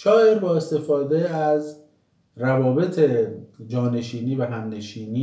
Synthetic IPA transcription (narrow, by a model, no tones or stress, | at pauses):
ʃɒːe̞ɾbɒːe̞st̪e̞fɒːd̪eæz | rævɒːbe̞t̪ʰed͡ʒɒːne̞ʃiːniːvæɦæmne̞ʃiːniː